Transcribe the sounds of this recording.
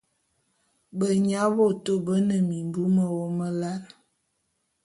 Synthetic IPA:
bə˨ɲa˨˦bo˦to˦bə˦nə˨mi˨m˨bu˦mə˨wo˦mə˦la˦ɾ

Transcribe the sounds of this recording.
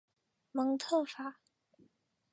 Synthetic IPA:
mɤ˧˥ŋt̪ʰɤ˥˩fa˨˩˦

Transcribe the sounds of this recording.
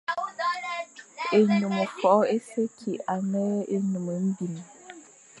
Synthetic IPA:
e˨ɲu˨mə˨fɔ˨˦e˦se˦kʰi˨a˨nɛ˦e˦ɲu˨mə˨m̩˦bi˨m˨

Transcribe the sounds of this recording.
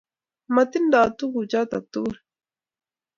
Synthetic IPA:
ma˨t̪i˦nd̪a˨t̪u˦ku˨t͡ʃa˦t̪a̰˨t̪u˦ɾ

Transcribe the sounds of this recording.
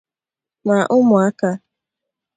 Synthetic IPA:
ma˨ʔʊ˦mʊ˨a˦ka˦

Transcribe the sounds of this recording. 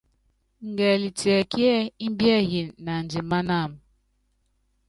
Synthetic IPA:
ŋ̩˨ɡɛ˨li˨ti˨ɛ˨ki˦ɛ˦i˦m˦bjɛ˦ɦi˨na˨n̩˨d͡ʒi˨ma˦na˦˨m̩˨

